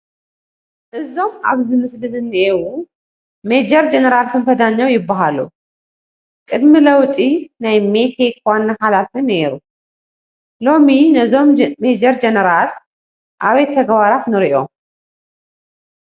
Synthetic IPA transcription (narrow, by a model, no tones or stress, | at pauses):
ʔɨzːo̞ma̰βzimɨslɨzɨnːiewu | med͡ʒɛɾd͡ʒɛnəɾalfɨmfəd̪aɲːawjɪbːaɦalṵ | kʼɨd̪mɨləwt̪ʼinajmet̪ʰe̞kwanːahalafɨnːeɾu | lo̞minəzo̞mmed͡ʒɛɾd͡ʒɛnəɾal | ʔaβet̪ʰːəɡβaɾat̪nɨɾiʔo̞̰